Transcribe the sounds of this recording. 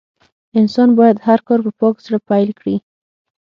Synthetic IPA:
ɪnsɑnbɑjad̪haɾkɑɾpəpɑksaɽapajlkɽi

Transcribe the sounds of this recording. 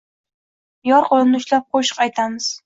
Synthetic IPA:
jɒɾqʰolˠɨmnɪʊʃlap̚qʰoʃɨ̥qɑjt̪ʰamɪz̥

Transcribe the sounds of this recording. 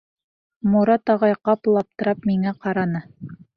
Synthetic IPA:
muɾɑt̪ɑʁɑjqɑplˠɑp̚t̪ɤ̆ɾɑpmiŋæqɑɾɑnɤ

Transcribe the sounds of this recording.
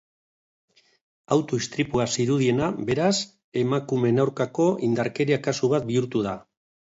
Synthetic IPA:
awt̪oist̪ɾipuasiɾuðie̞nabe̞ɾas | e̞makume̞nawɾkako̞ʔind̪aɾke̞ɾiakasuβat̪̚biuɾt̪uð̞a

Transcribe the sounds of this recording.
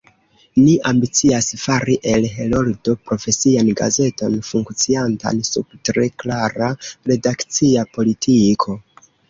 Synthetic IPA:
niʔambit͡siasfaɾiʔe̞lɦe̞lo̞ldo̞pɾo̞fe̞sianɡa̰ze̞to̞nfuŋkt͡sianta̰nsub̚tɾe̞klaɾaɾe̞dakt͡siapo̞litʰikʰo̞

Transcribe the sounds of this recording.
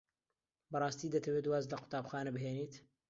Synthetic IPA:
bɐrˤɑːst̪iːd̪ɐt̪ʰɐweːt̪waːzlɐqʰʊ̥t̪aːbxaːnɐbɨɦeːniːt̪

